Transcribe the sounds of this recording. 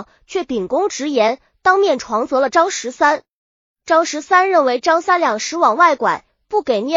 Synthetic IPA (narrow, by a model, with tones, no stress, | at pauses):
t͡ɕʰɥɛ˥˩pi˨˩ŋkʊ˥ŋʈ͡ʂɻ̩˧˥jɛ˧˥n | t̪ɑ˥ŋmjɛ˥˩nʈ͡ʂʰwɑ˧˥ŋt͡sɤ˧˥lə˧ʈ͡ʂɑ˥ŋʂɻ̩˧˥sa˥n | ʈ͡ʂɑ˥ŋʂɻ̩˧˥sa˥nɻə˥˩nwe˧˥ɪʈ͡ʂɑ˥ŋsa˥nljɑ˥˩ŋʂɻ̩˧˥wɑ˨˩ŋwa˥˩ɪkwa̰˨˩˦ | pu˥˩ke˨˩ɪnjɛ˥˩